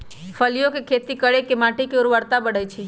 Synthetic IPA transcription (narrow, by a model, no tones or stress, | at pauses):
fʰəlijokekʰet̪ikəɭekemãʈikeoɾuʋəɽt̪abəɽəjt͡ʃʰe